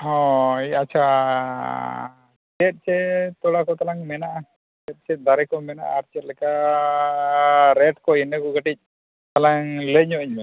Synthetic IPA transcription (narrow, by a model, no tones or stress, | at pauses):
ɦɔ̃iat͡ʃʰa | t͡ʃɛt̪̚ˀt͡ʃɛt̪ɔɽakɔt̪alaŋmɛnaʔa | t͡ʃɛt̪̚ˀt͡ʃɛd̪aɾɛkɔmɛna̰ʔaɾt͡ʃɛt̪̚lɛka | ɾɛʈkɔɛnɛkɔɡəʈic̚ˀ | t̪alaŋləɲɔiɲmɛ